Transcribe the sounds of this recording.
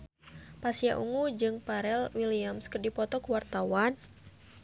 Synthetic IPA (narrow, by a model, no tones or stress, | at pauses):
pasiaʔṵŋud͡ʒɨŋpaɾɛlwiliamskɨrdipɔt̪ɔkuwart̪awan